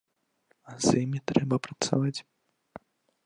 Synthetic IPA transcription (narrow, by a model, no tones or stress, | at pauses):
azjimʲit̪ɾɛbɐpɾɐt̪sa̰vat͡sʲ